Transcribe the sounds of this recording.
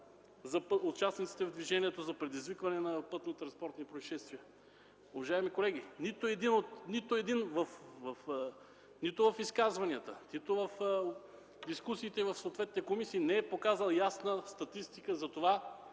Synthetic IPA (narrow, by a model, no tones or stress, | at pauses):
zɐpot̪t͡ʃasnit̪si̥t̪ɛvd̪viʒɛniɛt̪ozɐpɾɛd̪izvikvɐnɛnɐpɤt̪not̪ɾɐnspɔɾt̪nipɾoiʃɛst̪viə | ovɐʒaɛmikolɛɡ̟init̪ʊɛd̪inot̪nit̪ʊɛd̪invɐfvɐf | nit̪ʊvɐfiskazvɐniət̪ənit̪ʊvɐf | d̪iskusiːt̪ɛivɐfsoːt̪vɛt̪nit̪ɛkomisiːnɛɛpokazəlˠjasnəst̪ɐt̪ist̪ikəzɐt̪ova